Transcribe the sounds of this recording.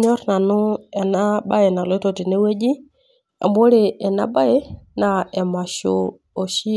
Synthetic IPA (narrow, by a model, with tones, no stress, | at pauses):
ɲo˦ɾna˨nu˦ɛ˨na˦ba˦je˨na˨lo˦to˨ti˨ne˦we˦d͡ʒi˦ | a̰˨mbo˦ɾe˨ɛ˨na̰˦ba˦je˦na˨e˨ma˨ʃo̰˦ | o˨ʃi˦